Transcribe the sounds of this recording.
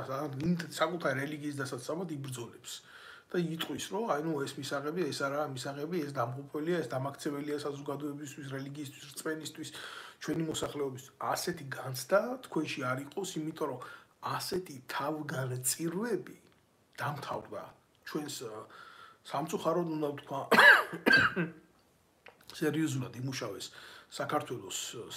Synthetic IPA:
aimsakʼut̪ʰaɾiɾɛliɡiːs̬d̪asat̪sʼamat̪ibɾd̪zɔlɛps | d̪̥ait̪ʼqʼwisɾɔanuɛsmisaʁɛbiɛsaɾaːmisaʁɛbiɛs̬d̪amqʼɔpʰɛliaɛsd̪amakʰt̪sʰɛbɛliasazɔɡad̪ɔɛbist̪ʰwis̬ɾɛliɡiːs̬t̪ʰwisɾt̪sʼmɛnist̪ʰwist͡ʃʰwɛnimɔsaχlɛɔbist̪ʰiasɛt̪ʰiɡant̪sʰd̪at̪ʰkʰwɛnʃiaɾiqʼɔsimit̪ʼɔɾɔasɛt̪ʰit̪ʰavɡant̪sʼiɾvɛbi | d̪̥amt̪ʰavɾd̪a̰ | t͡ʃʰwɛns | samt̪sʼuχaɾɔd̪und̪at̪ʰkʰwa | sɛɾiɔzulad̪imuʃavɛsːakʰaɾt̪ʰwɛlˠɔs

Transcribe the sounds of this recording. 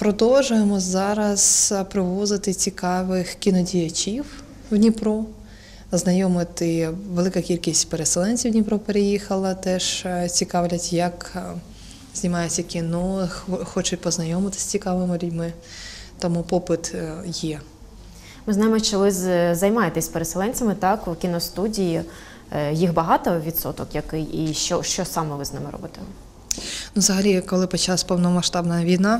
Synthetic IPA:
pɾɔd̪ɔlʒʊjemɔzɑɾɐz̥pɾɪʋɔzɪt̪ɪt͡sʲikɑʋɪxkʲinɔdʲijɐt͡ʃʲiw | wnʲipɾɔ | znɐjɔmɪt̪ɪʋelˠɪkɐkʲilʲkʲisʲtʲpeɾesɛlˠɛnʲt͡sʲiwnʲipɾɔpeɾejixɐlˠɐt̪ɛʒt͡sʲikɑʋlʲɐtʲjɐk | z̥ʲnʲimɑjʊt͡sʲːɐkʲinɔxxɔt͡ʃʊtʲpɔznɐjɔmɪt̪ɪ̥sʲt͡sʲikɑʋɪmɪlʲʊdʲmɪ | t̪ɔmupɔpɪt̪jɛ | mɪznɑjɪmɔt͡ʃɛʋɪzzɐjmɑjet̪ɛsʲpeɾeselˠɛnʲt͡sʲɐmɪt̪ɑkwkʲinɔst̪udʲiji | jixbɐɦɑt̪ɔʋʲit̪sɔ̰t̪ɔkjɐkɪjiʃt͡ʃɔʃt͡ʃɔsɑmɛʋɪznɪ̰mɪɾɔ̰bɪt̪ɛ | nuzɐɦɐlʲikɔlˠɪpɔt͡ʃˠɑsʲpɔwnɔmɐʃt̪ɑbnɐɐʋʲijnɑ

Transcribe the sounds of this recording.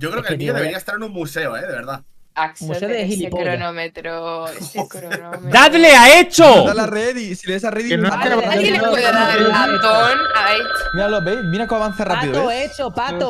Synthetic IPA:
ɟ͡ʝokɾeokemaðeeiaest̪aɾenũmmuse̞oeðe̞βe̞ɾða | umuseoðexilpoɾonomet̪ɾo | d̪at̪leaet͡ʃoalareðisileesareðienaeaaeðaaotonajmiɾalobejmiɾakoaβan̟θarapiðoeet͡ʃopat̪o

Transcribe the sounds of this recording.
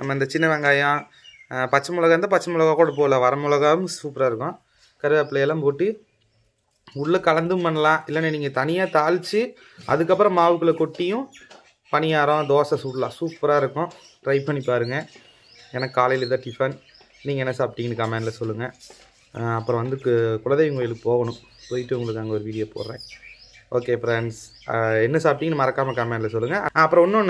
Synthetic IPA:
nʔɐ̰mːɐɪnd̪ɐt͡ʃɪnːɐʋɛŋɡaːjãː | pɐt͡ʃːɐmʊlɐɣɐɾɐnd̪ɐpɐt͡ʃːɐmʊlɐɣaːkuːɽɐp̬oːlãːʋɐɾɐmʊlɐɣaːʋɯmsuːpɾaːɪɾɯkːʊ̃ | kɐɾɪðɐpːlːɛlːampoːʈːɯ | ʊɽːɐkɐlɐnd̪ɯmpɐnːɐlãːɪlːɐnːeniːŋɡɐt̪ɐnɪjaːt̪aːɻt͡ʃːɯ | ʔɐ̰ðɯkːɐpːɯɾɐ̃maːʋɯkːɯɭɐkɔʈːɪjʊ̃ | pɐnɪjaːɾɔ̃d̪oːsɐsuːʈlã̰ːsuːpːɾaːɪɾɯkːʊ̃ | ʈɾɐɪpɐɳːipːaːɾɯŋɡɐ | ɛnɐkːaːlɐjlɐɪðaːʈɪfɐn | niːŋɡɐɛnːɐsaːp̚ʈːɪŋɡɐnːɯkɐmeːnlɐsɔlːɯŋɡɐ | ɐpːɯɾɐ̃ʋɐnd̪ɯkːɯkʊɭɐnd̪ɐjɪŋɡoːjɪlɯkːɯpoːɣɐnʊ̃ | poːjɪʈːɯʊŋɡɐɭɯkːɯɐŋɡɐɔɾɯʋiːɽɪjoːpo̰ːɾɾẽː | oːkeːfɾɛɳɖs | ɛnːɐsaːp̚ʈɪŋɡɐnɯmɐɾɐkːaːmɐkɐmɛːnɖlɐsɔlːɯŋɡɐɐpːɯɾɐ̃ɔnːʊn

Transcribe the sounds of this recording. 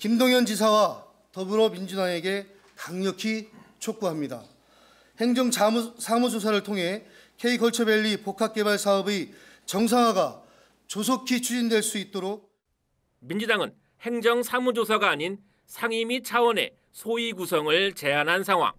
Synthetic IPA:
kimdoŋjʌnd͡ʑis̬ʰawa | tʌbɯɾomind͡ʑudaŋe̞ɡe̞ | kaŋɲʌkʰit͡ɕʰok̚k͈uɦamɲida̰ | he̞ŋd͡ʑʌŋʰasʰamud͡ʑos̬ʰaɾɯɭtʰoŋɦe̞ | kʰe̞ikʰʌɭt͡ɕʰʌbe̞ʎːipokʰak̚k͈e̞baɭsʰaʌbi | t͡ɕʌŋs̬ʰaŋɦwaɡa | t͡ɕosʰokʰit͡ɕʰud͡ʑindwe̞ɭs͈uit̚t͈oɾok̚ | mind͡ʑudaŋɯn | he̞ŋd͡ʑʌŋsʰamud͡ʑosʰaɡaːɲin | sʰaŋimit͡ɕʰawʌne̞̰ | sʰoiɡusʰʌŋɯɭt͡ɕe̞anɦansʰaŋɦwa̰ŋ

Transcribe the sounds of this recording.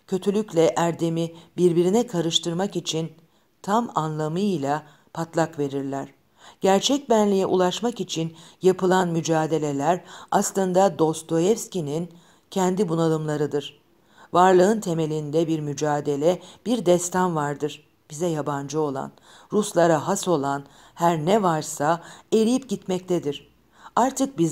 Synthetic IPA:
cʰø̞t̪ʰylʲyclʲɛʔæɾd̪emibiɾbiɾinɛkʰaɾɯʃt̪ʰɯɾmakit͡ʃʰin | t̪ʰamanlˠamɯlʲˠa | pʰat̪lˠakve̞ɾiɾlʲæɾ̥ | ɟ̥æɾt͡ʃʰɛc̚bænlʲijɛʔulˠaʃmakit͡ʃʰinjapʰɯlˠanmyd͡ʒaːd̪e̞lʲe̞lʲæɾaslˠɯnd̪ad̪o̞st̪o̞jɛfscʲinin | cʰɛnd̪ibunalˠɯmlˠaɾɯd̪ɯɾ̥ | vaɾlˠɯɯnt̪ʰe̞me̞lʲind̪ɛbiɾmyd͡ʒaːd̪e̞lʲɛb̥iɾd̪ɛst̪ʰanvaɾd̪ɯɾ̥ | b̥izɛjaband͡ʒɯo̞lˠa̰n | ɾuslˠaɾaɦaso̞lˠan | hæɾnɛvaɾsae̞ɾijip̚ɟit̪mɛc̚t̪ʰɛd̪iɾ̥ | aɾt̪ʰɯk̚biz

